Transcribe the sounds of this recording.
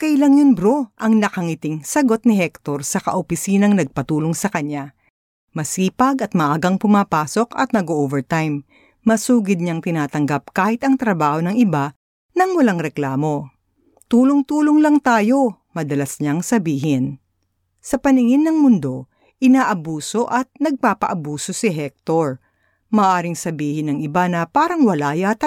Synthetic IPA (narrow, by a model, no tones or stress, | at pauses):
kɐɪlaŋonbɾoʔɐŋnɐkɐŋɪt̪ɪŋsɐɡo̞t̪̚nɪhɛk̚t̪o̞ɾsɐkɐ̰ʔopɪsiːnɐŋnɐɡ̚pɐt̪uːlo̞ŋsɐkɐɲa | mɐsiːpɐɡɐt̪̚mɐʔaːɡɐŋpʊmaːpaːso̞kɐ̰t̪̚nɐɡoʔovɛɹt̪ajmː | ɐsuːɡɪd̪̚ɲaŋt̪ɪnaːt̪ɐŋɡap̚kaːhɪt̪ɐŋt̪ɾɐbaːho̞nɐŋɪba | nɐŋwɐlaŋɾɛklaːmo̞ | t̪uːloŋt̪uːloŋlɐŋt̪aːjo̞ | mɐd̪ɐlɐsɲaŋsɐbiːɦɪn | sɐpɐnɪŋɪnːɐŋmʊnd̪o̞ | ʔɪnaːʔɐbuːso̞ʔɐt̪̚nɐɡ̚paːpɐ̰ʔɐbuːso̞sɪɦɛk̚t̪oɹ | mɐːʔaːɾɪŋsɐbiːhɪnɐŋɪbanɐpaːɾɐŋwɐlaːjat̪ɐ